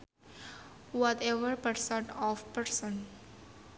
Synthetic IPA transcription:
ʋɔt̪eʋəɾpəɾsə̃ɳʈɔːʋpəɾsə̃n

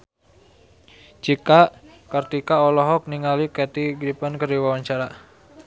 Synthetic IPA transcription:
t͡ʃika | kərt̪ikaɔlɔɦɔk̚niŋalikɛt̪iɡɾipənkəriwawaɲt͡ʃaɾa

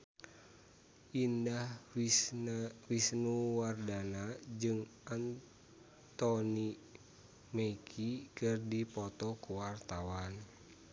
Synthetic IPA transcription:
ʔindah | wisnuwardanad͡ʒɨŋʔan | t̪ɔni | mekʰikɨrdipɔt̪ɔkuwart̪awan

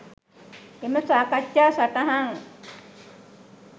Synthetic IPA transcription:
eməsakat͡ʃːaːsaʈaɦaŋ

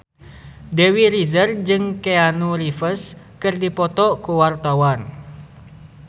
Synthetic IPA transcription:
dewiɾizərd͡ʒɨŋkeanuɾifəs | kɨrdipɔt̪ɔkuwart̪awan

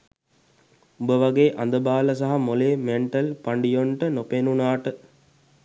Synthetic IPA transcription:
ubəʋaɡeːʔand̪əbaːləs̬aɦamoleːmeɳʈəlpaɳɖijoɳʈənopenunaːʈə

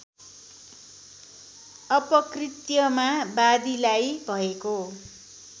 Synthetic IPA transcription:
ʌpʌkrit̪jʌmabad̪ilajbʱʌeko

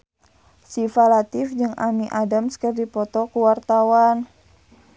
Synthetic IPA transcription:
sifalat̪ɪfd͡ʒɨŋʔamiʔadamskərdipɔt̪ɔkuwart̪awan

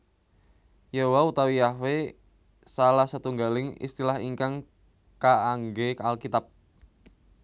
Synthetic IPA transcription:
jaɦowaut̪awiahwe | salahsət̪uŋɡalɪŋḭst̪ilahiŋkaŋ | kaːŋɡealkit̪ap̚

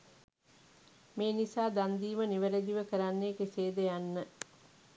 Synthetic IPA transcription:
meːnisaːd̪and̪iːməniʋeɾed̪iʋəkəɾanːeːkeseːd̪ejanːə

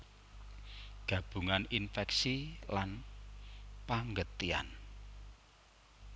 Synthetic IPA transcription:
ɡ̥ä̤b̥ṳŋaninfɛksilan | paŋɡət̪ia̰n

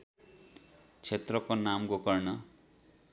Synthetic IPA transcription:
t͡sʰet̪rʌkonamɡokʌrnʌ

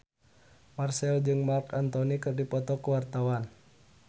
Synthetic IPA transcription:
marsɛld͡ʒɨŋmarkant̪ɔnikɨrdipɔt̪ɔkuwart̪awan

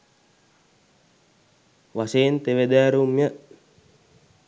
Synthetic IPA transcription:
wasent̪ewedaɾumjaʔ

